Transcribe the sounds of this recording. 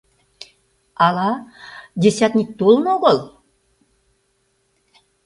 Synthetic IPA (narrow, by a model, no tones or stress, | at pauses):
ɑlɑd̪ʲesʲæt̪nʲit̚ʲt̪ːolˠnoɣolˠ